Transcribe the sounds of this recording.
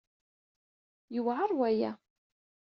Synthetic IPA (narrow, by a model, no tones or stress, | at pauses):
jəwʕəɾˤwæjæ